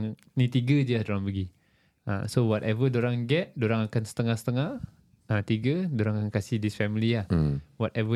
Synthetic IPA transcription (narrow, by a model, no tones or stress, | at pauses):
ŋ | nĩt̪iɡəd͡ʒiadoɾaŋbəɡi | a̰sowɔtɛvədoɾaŋɡɛt̚doɾaŋakansə̥t̪əŋahsə̥t̪əŋah | at̪iɡədoɾaŋakankasihdisfɛmiliahwɔtɛvə